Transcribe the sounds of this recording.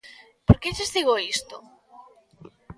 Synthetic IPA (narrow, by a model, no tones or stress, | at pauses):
poɾkeʎezðiɣoist̪o